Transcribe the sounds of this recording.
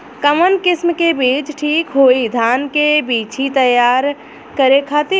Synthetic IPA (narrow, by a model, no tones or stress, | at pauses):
kəmənkɪsmkebiːt͡ʃʈʰiːkɦoːid̪ʱaːnkebiːt͡ʃʰit̪əjaːɾ | kəɾekʰaːt̪i